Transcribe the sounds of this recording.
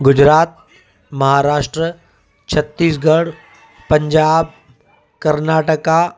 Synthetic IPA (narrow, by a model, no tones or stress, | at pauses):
ɡʊd͡ʑɾaːt̪̚ | mɐɦaːɾaːʃʈɾə | t͡ɕʰɐt̪ːiːs̬ɡɐɽ | pɐ̃ɲd͡ʑaːb̚ | kɐɾnaːʈəka